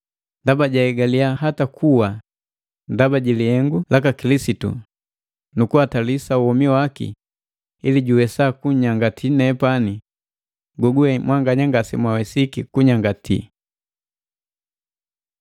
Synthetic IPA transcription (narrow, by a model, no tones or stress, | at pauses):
ndabaɟaɛɡaliaɦatakʰuwa | ndabaɟiliɛŋɡulakakilisitṵ | nukuwatalisauwɔmiwakḭ | iliɟuwɛsakuɲaŋɡatʰinɛpani | ɡɔɡuɛmwaŋɡaɲaŋɡasimwawɛsikikuɲaŋɡatḭ